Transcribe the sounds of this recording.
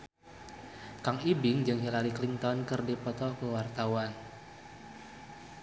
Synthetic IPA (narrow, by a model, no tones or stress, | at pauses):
kaŋibɪŋd͡ʒɨŋɦilaɾiklint̪ɔnkɨrdipɔt̪ɔkəwart̪awan